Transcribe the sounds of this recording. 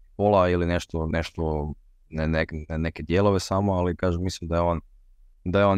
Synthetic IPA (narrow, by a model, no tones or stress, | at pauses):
polˠailineʃt̪oneʃt̪o | nneknneked̪je̞lˠoʋesamoalikaːʒemislimd̪ajeon | d̪ajeo̞ːn